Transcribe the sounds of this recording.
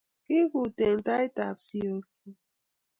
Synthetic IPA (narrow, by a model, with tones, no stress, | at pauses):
ki˦ku˨te˨ŋ̩˨ta˦i˦ta˨p̚si˦o˦k̚i˦